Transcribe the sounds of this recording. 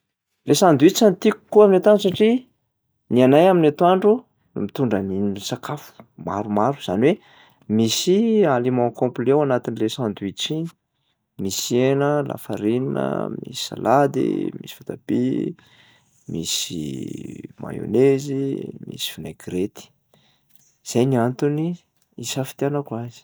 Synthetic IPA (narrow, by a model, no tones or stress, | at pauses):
lesãnd̪uit͡sant̪iku̥kːuaminat̪aɳɖ͡ʐsaʈ͡ʂi | nianajaminat̪waɳɖ͡ʐu | nṵmit̪uɳɖ͡ʐəninisakʰafu̥ma̰ɾumaɾu̥z̥aniwe | misialemɔ̃kõmplewanat̪inlesãnd̪uit͡ʃin | misienəla̰faɾinnə̰mḭsi̥sa̰lʔad̪ḭmisi̥fat̪ab̥ḭ | mḭsḭ | ma̰jo̰nezimḭsi̥finaɡɾet̪i̥ | z̥ajniant̪uni | isafi̥t̪ianakuazi̥